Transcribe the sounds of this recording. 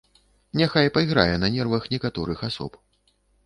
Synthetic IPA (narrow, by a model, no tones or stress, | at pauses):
nʲaxajpɐjɣɾa̰jɛnɐnʲɛrvɐxnʲɛkat̪ɔɾɨxasɔ̰p